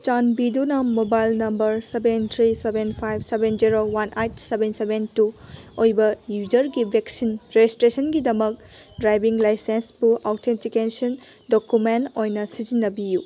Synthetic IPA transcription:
t͡ʃanbidunɐmobajlnɐmbɐɾsebent̪ʰɾisebenpʰajb̚sebend͡ʒiɾowanʔejtsebensebentuojbɐjud͡ʒɐɾɡibʱeksinɾed͡ʒistɾesɐnɡidɐmɐk̚ | dɾajbiŋlajsensbuʔawtʰentikesɐn | dokumentojnɐsid͡ʒinːɐbiju

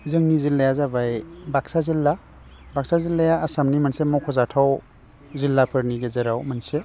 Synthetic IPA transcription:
zɯŋnizilːajazabajbak̚sazilːa | bak̚sazilːajaːsamnimansemɔwkʰɔzatʰaw | zilːapʰɯɾniɡezeɾawmanse

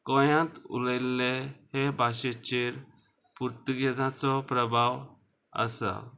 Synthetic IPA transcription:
kɔjãt̪ṵlajlːehebʱaɕet͡ɕiɾ | puɾt̪uɡed͡zãt͡sɔpɾəbʱaw | ə̰sa̰

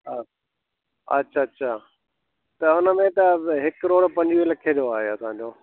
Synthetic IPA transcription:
ɐ̰tːɕʰaɐtːɕʰa | t̪ɐʊnəmẽt̪ɐɦɪkɾoːɽpɐ̃ɲd͡ʑʋilɐkʰeɗ̪ioaːɦeɐsãɲ̆d͡ʑoː

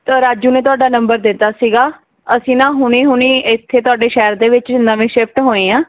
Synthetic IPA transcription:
t̪aːɾaːd͡ʒuːnẽːt̪ʊaːɖaːnəmbəɾd̪ɪt̪ːaːsiːɡaː | əsĩːnãːɦʊniːɦʊɳiːɪt̪ʰːeːt̪ʊaːɖeːʃɛːəɾd̪eːʋɪt͡ʃnnəʋẽːʃɪpʰʈɦoːĩːãː

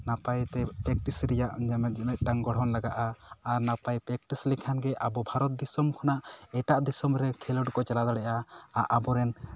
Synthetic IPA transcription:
napajt̪ɛpɾɛk̚ʈisɾɛjaʔd͡ʒamɛt̪̚d͡ʒimɛt̪̚ˀʈaŋɡɔɽ̤ɦɔnlaɡaʔaːɾnapajpɾɛk̚ʈislikʰanɡɛʔabɔbʱaɾɔt̪̚d̪isɔmkʰɔnaʔɛʈaʔd̪isɔmɾɛkʰɛlɔɖkɔt͡ʃalad̪aɽɛʔaaʔabɔɾɛn

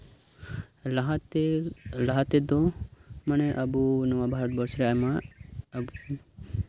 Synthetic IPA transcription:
lt | laɦat̪ɛd̪ɔmanɛʔabunɔwabʱaɾɔt̪̚bɔɾsɾɛajma

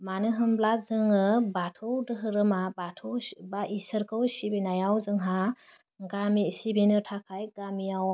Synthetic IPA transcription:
manɯɦɯmblazɯŋɯbatʰɯwdɯɦɯɾɯmabatʰɯwbaʔisɯɾkʰɯwsibinajawzɯŋɦa | ɡamisibinɯtʰakʰajɡamijaw

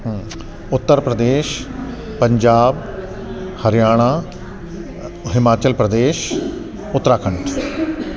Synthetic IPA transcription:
ʊt̪ːəɾpɾəd̪eːʃ | pə̃ɲd͡ʒaːb | həɾɪjaːɽ̃aː | ɦɪmaːt͡ʃəlpɾəd̪eːʃ | ʊt̪ːɾaːkʰəɳʈʰ

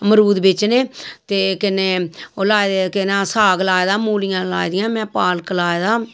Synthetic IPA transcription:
məɾuːd̪bɪt͡ʃneːt̪eːkɪneːoːlaːd̪ekɪnãːsaːɡlaːed̪aːmuːlɪjãːla̰ːid̪ɪjãːmɛ̃ːpaːlklaːed̪aː

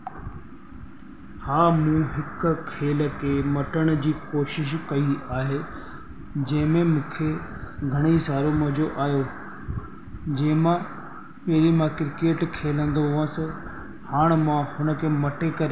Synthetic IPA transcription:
haːmũːɦɪkʊkʰeːlə̆kʰeːmɐʈəɽ̃ʊd͡ʑiːkoːʃɪʃ̬kɐiaːɦeː | d͡ʑɐ̃ɦɪ̃mẽmũːkʰe | ɡʱɐɽ̃isaːɾomɐɦd͡ʑoʔaːjo | d͡ʑɐ̃ɦɪ̃mã | pɛɦɾimãkɾɪkeːʈkʰeːlə̃nd̪oɦʊʋãsə̃ | haːɽ̃mãhʊnə̆kʰeːmɐʈekɐɾe

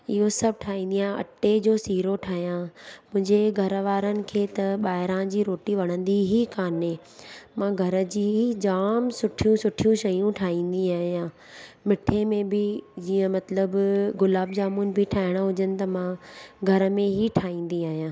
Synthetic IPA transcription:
ɪɦosɐb̚ʈʰaːɦĩːn̆d̪iãːɐ̰ʈed͡ʑoːsiːɾoʈʰaːɦijãmʊ̃ɦɪ̃ɲd͡ʑeɡʱɐɾʋaːɾənɪ̆kʰeːt̪ɐɓaːɦɪɾãd͡ʑiːɾoːʈiʋɐɽ̃ə̃nd̪iɦikaːne | mãɡʱɐɾə̆d͡ʑiːɦid͡ʑaːmsʊʈʰijũsʊʈʰijũʃɐjũʈʰaːɦĩːn̆d̪iaːɦijãː | mɪʈʰemẽbɪd͡ʑiːə̃mɐt̪ləbɡʊlaːbd͡ʑaːmʊnɪ̆bʱɪʈʰaːɦɪɽ̃aɦʊd͡ʑənɪ̆t̪ɐmãɡʱɐɾə̆mẽɦiʈʰaːĩːn̆d̪iaːɦijãː

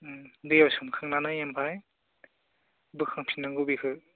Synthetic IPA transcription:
dɯjawsɯmkʰɯŋnanɯjampʰaj | bɯkʰaŋpʰinːaŋɡɯbikʰɯ

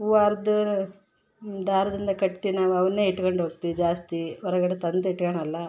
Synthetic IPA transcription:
uʋaːɾɐd̪u | d̪aːɾɐd̪ind̪ɐkɐʈːinaːʋuɐʋɐnːeːiʈːkoɳɖɦoːɡt̪iʋid͡ʒaːst̪iʋɔɾɐɡɐɽet̪ɐnd̪iʈːkɐɳɐlːɐ

